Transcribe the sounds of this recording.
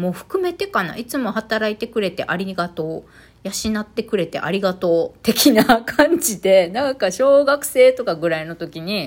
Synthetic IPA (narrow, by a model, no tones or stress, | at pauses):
mo̞ːɸɯ̥kɯ̟me̞t̪e̞kana̰ʔit͡sɨmo̞hat̪aɾait̪e̞kɯ̟ɾe̞t̪e̞̰ʔaɾʲiɡat̪o̞ː | jaɕinat̪ːe̞kɯ̟ɾe̞t̪e̞̰ʔa̰ɾʲiɡat̪o̞ːt̪e̞kʲinakʰãɲd͡ʑid̪e̞nãŋkaɕo̞ːɡakɯ̟̥se̞ːt̪o̞kaɡɯ̟ɾaino̞t̪o̞kʲiɲ̟i